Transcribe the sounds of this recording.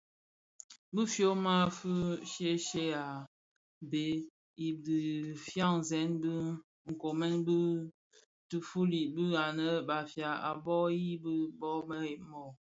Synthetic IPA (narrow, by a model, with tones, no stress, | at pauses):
bɨ˦fjo˦ma˦fu˦ʃe˦ʃe˦a˨ | be˨ | i˨di˨fja˦˨ŋ˨zɛ˨˦nbɨ˦ | ŋ̩˨ko˨mɛ˦nbɨ˦ | tɨ˨fu˦li˨bɨ˦a˨nə˦ba˨fja˨a̰˨bɔ˦ji˦bɨ˦bɔ˦mə˦e˨mɔ˨